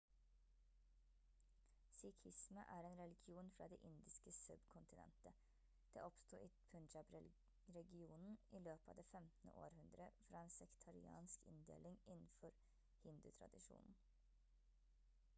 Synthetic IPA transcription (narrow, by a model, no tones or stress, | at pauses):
sʏkʰɪsmə̰ʔæːɾeːnɾɛlɪɡɪuːnfɾɑːd̪ḛːʔɪnd̪ɪskəsʉbkʰʊnt̪ʰɪnɛ̰nt̪ə | d̪̥ḛːʔɔpst̪uːʔiːpʰʉnd͡ʒɑbɾ | ɾɛɡɪuːnn̩ʔɪløːpəɑ̰ʋd̪eːfɛmt̪nə̰ʔo̰ːɾhʉnd̪ɾəfɾɑːeːnsɛkt̪ʰɑɾɪɑ̰ːnskɪ̰nd̪ḛːlɪŋɪnn̩fɔɾ | hɪnd̪ʉt̪ʰɾɑ̰d̪ɪʃṵːnn̩